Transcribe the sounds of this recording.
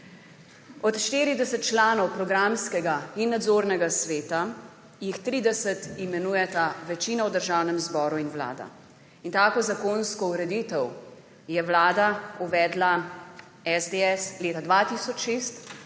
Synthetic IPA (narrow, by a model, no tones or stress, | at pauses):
ɔt̪ʃt̪iːɾid̪ɛsɛt̪̚t͡ʃlaːnɔwpɾɔɡɾamskɛɡainːad̪zoːɾnɛɡasʋeːt̪a | jixt̪ɾiːd̪ɛsət̪imɛnuːjɛt̪aʋɛt͡ʃiːnawd̪əɾʒawnɛmzbɔːɾuinʋla̰ːd̪a̰ | int̪aːkozakonskɔuɾɛd̪it̪ɛw | jɛwlaːd̪auʋɛːd̪la | ɛzd̪eɛsleːt̪ad̪ʋat̪isɔt͡ʃʃeːst̪